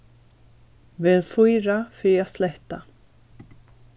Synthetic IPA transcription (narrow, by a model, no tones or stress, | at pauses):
vɪːðfujɾafɾiaslɛht̪a